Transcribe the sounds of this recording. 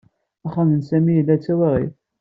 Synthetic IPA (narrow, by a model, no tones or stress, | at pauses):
æχːamənsæmijəlːæt͡sːæwæʁḭθ